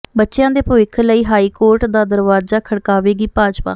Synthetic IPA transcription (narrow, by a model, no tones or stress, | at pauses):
bətːʃejãːd̪eːpəːɪkʰləiːɦaːiːkoːɾʈd̪aːd̪əɾʋaːzaːkʰəɽkaːʋeːɡiːpaːd͡ʒpa̰ː